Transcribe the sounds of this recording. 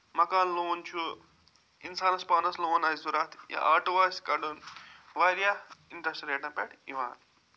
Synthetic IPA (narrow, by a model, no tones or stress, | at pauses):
mɐkaːlloːnt͡ʃʰu | insaːnɐspɐnɐsloːnɐjsuɾat̪ʰja̰ʔaːʈʋaːsʲkɐɖunʋaːɾjaiɳʈɾɐsʈɾeːʈãpeʈiʋaːn